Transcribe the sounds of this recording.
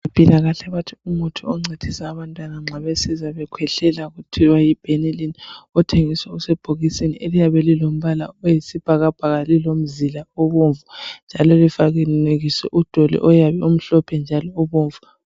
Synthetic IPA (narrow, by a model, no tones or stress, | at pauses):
βapʼilaɣaɬɛβatʰiumɔtʰɔɔŋ͡ǀʱed̥ʰʱisaːβantʼwanaŋ͡ǁaβesizaβɛkʰwɛɬɛlaɣutʰiwajib̥ʱenilinɔtʰeŋiswausɛb̥ʱoɣisiniʔelijaβɛlilom̩βalaɔjisib̥ʱaɣab̥ʱaɣalilom̩zilaɔβoɱvund͡ʒʱalɔlifaɣɛeɣisɛ̰ʔud̥ʱolḭʔɔjaβɛum̩ɬɔpʰɛnd͡ʒʱalɔɔβoːɱvu